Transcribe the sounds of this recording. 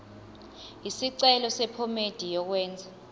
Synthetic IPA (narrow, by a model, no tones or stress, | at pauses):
isiǀɛlɔsɛpʰɔmed̥ʱijɔk̬wɛːnd͡zʱa